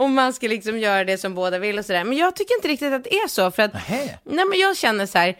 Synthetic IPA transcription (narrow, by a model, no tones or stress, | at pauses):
ɔmːanskalɪksɔmjœːɾad̪ɛsɔmboːd̪avɪlːɔsɔd̪æːɾmɛnjɑːɡ̚t̪ʰʏkːəɾɪnt̪əɾɪk̚t̪ɪt̪at̪d̪ɛæʂɔfœɾat̪nɛːmɛnjɑːɡɕɛnːəʂæːɾ